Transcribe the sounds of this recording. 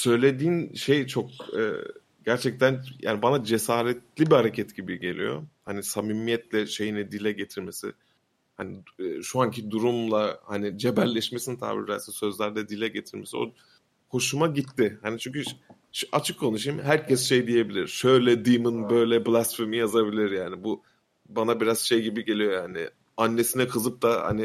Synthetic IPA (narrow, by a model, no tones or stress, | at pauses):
sø̞jlʲe̞d̪iːnʃe̞jt͡ʃʰo̞k̚ɛ̰ː | ɟæɾt͡ʃʰɛc̚t̪ʰænja̰ːnibanad͡ʒe̞saːɾɛt̪lʲibihaɾe̞cʰɛt̪ɟibiɟelʲḭjo̞̰hanisamimijɛt̪lʲɛʃe̞jinɛd̪ilʲɛɟe̞t̪ʰiɾme̞sɪ̰ | hanɪːʃuancʰid̪uɾumlˠahanid͡ʒe̞bælʲːɛʃmesinit̪ʰa̰ːbḭɾd̪æ̰lʲsɛnsø̞zlʲæɾd̪ɛd̪ilʲɛɟe̞t̪ʰiɾmesio̞̰ | ho̞ʃumaɟit̪ʰːɪhanit͡ʃʰyɲʲcʰy | ʃat͡ʃʰɯkʰːo̞nuʃ̬imhæɾcʰɛsʃejd̪ije̞bilʲiɾ̥ʃø̞jlʲɛd̪imɯnbø̞jlʲɛblʲˠast̪fiɾmijazabilʲiɾjaːnibu | banabiɾaz̥ʃe̞jɟibiɟe̞lʲijo̞jhanɪ̰ | anːe̞sinɛkʰɯzɯp̚t̪aha̰ni